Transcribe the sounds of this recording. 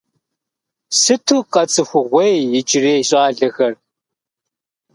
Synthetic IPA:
sɨtʰuːqɐt͡sʼɨxʷʊʁʷejjɪt͡ʃʼɪreːɕʼaːɮɐxɐr

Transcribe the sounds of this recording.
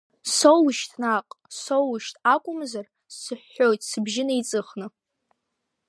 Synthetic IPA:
sowʃtʰnaqʼsowʃtʰʼakʷʼʊmzar | sɨħːo̞jtʼsɨbʒɪnait͡sʼɨχnɨ

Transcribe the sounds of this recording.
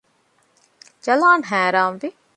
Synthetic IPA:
t͡ʃɐlaːnɦɛ̃ːɾaːmd̪i

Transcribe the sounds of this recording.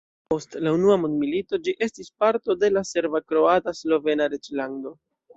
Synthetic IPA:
po̞stlaunuamundmilito̞d͡ʒiʔe̞stispaɾto̞de̞lase̞ɾvakɾo̞ataslo̞ve̞naɾet͡ʃlando̞

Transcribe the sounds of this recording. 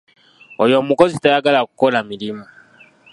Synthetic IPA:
ɔjɔmukɔzitajaɡalakukɔlamilima

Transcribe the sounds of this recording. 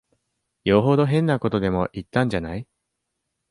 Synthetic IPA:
joɦo̞d̪o̞ɦẽ̞nːako̞t̪o̞d̪e̞mo̞ʔit̪ːãɲ̟d͡ʑanai

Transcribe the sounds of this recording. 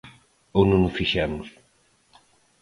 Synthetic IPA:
ownõnʊsfiʃɛmʊs

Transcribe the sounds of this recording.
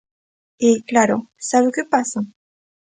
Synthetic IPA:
eklaɾosavekəpas

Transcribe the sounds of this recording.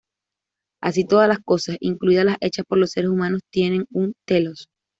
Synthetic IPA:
a̰s̬it̪o̞ðalasko̞sasiŋkluiðalasʔe̞t͡ʃaspo̞ɾlo̞sːe̞ɾesumãno̞st̪je̞nẽ̞ŋunt̪e̞lo̞s

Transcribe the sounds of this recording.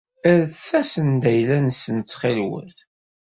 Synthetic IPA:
əɾθθæsənd̪æjlænsənt͡s̪ːχɪlwə̰θ

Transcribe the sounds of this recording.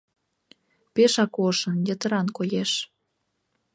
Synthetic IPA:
peʃɑkoʃɤ̆njə̆t̪ə̆ɾɑnkojeʃ

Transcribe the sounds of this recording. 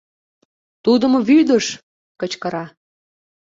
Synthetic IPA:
t̪ud̪əmoβyd̪əʃ | kət͡ɕkəɾɑ

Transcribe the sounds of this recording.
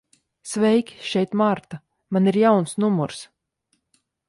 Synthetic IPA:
svɛjkʲʃɛjt̪maɾt̪a | maniɾjawnsnumuɾs

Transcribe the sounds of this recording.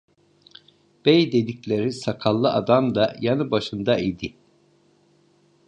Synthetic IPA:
b̥ejd̪ed̪iclʲe̞ɾisakʰalˠːɯʔad̪amd̪ajanɯbaʃɯnd̪aid̪i

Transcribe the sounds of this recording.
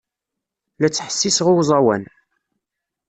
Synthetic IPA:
læt͡sːħə̥sːisʁʊwzˤɑwæ̰n

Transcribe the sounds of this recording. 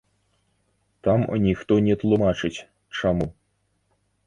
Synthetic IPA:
t̪am̰nʲixt̪ɔnʲɛt̪lˠumat͡ʂɨt͡sʲ | t͡ʂamu

